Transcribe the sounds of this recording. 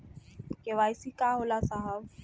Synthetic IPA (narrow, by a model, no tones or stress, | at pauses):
keʋajsikaɦolasaɦaw